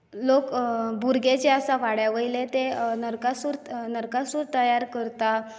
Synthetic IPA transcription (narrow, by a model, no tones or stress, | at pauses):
lokbuɾɡet͡ɕeəsaʋaɽjaʋəjlet̪enəɾkasuɾnəɾkasuɾt̪əjaɾkəɾt̪a